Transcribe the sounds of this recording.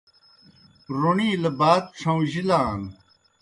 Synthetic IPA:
ɾoɳiːlɐbaːt̪̚ʈ͡ʂʰɐ̃w̃ʑilaːn

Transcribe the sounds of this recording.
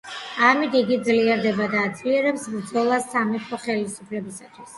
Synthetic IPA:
amit̪ʰiɡid̪zliɛɾd̪ɛbad̪aːd̪zliɛɾɛpsbɾd̪zɔlˠasːamipʰɔχɛlisupʰlɛbisat̪ʰwis

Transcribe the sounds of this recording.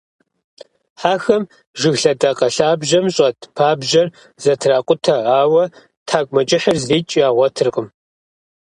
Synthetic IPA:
ħaːxɐm | ʒɨɣɬɐdɐqɐɬaːbʒɐmɕʼɐtʰpʰaːbʒɐr | z̥ɐtʰraːqʷʼʊtʰɐaːwɐ | tʰaːkʷʼmɐt͡ʃʼɪħərzriːt͡ʃʼiaːʁʷɔtʰɨrqəm

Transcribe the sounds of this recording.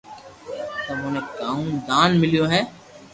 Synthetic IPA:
t̪ɐːmõːnẽːkaːũd̪aːnmɪlijõːɦɛ̃ː

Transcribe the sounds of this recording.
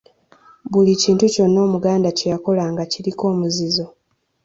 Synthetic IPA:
βuliciːntuco̞nːo̞ːmuɡaːndacejako̞laːŋɡaciɾiko̞ːmuzizo̞

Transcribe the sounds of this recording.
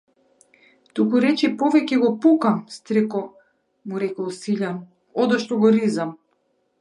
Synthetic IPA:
t̪ukuɾɛt͡ʃɛpɔvɛcɛɡɔpukamst̪ɾikɔ | muɾɛkɔlˠsiʎan | ɔd̪ɔʃt̪ɔɡɔɾizam

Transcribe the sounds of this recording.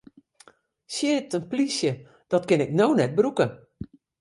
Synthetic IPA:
sjɪtənplisjə | d̥ɔtkɪnɪknownɛt̚bɾukə

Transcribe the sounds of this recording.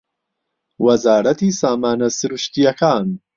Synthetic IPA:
wɐzaːɾɐt̪isaːmaːnɐsɨɾuʃt̪ijɐkʰaːn

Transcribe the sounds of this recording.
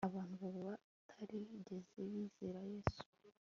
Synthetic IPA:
aβaːnhuβaɾuβa | tʰaɾiɟe̞zeβiz̥eɾajeːsu̥

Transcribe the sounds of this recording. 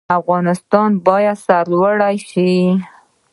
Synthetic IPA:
afɣɑnɪst̪ɑnbɑjad̪saɾlwəɽajʃi

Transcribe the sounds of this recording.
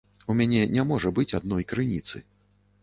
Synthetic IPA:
umʲanʲɛnʲamɔʐɐbɨt͡sʲad̪̚nɔjkɾɨnʲit̪sɨ̰

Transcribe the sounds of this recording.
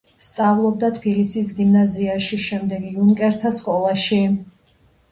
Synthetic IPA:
st̪sʼavlˠɔb̚d̪at̪ʰpʰilisisɡimnaziaʃiʃɛmd̪ɛɡiunkʼɛɾt̪ʰaskʼɔlˠaʃi

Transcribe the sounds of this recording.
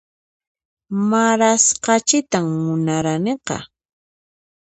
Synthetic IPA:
maɾasqɑt͡ʃɪt̪amːʊnaɾaneqɑ̰

